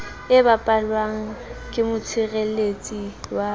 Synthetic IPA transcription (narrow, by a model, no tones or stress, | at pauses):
ɪbapʼalwaŋ̩kʼɪmʊt͡sʰɪrelet͡sʼiwa